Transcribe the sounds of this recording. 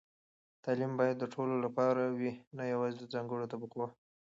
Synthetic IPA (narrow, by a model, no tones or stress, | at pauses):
t̪ɑlimbɑjad̪ːəʈʰololapɑɾawinajawɑzed̪əd͡zɑŋɡəɽot̪abəqwa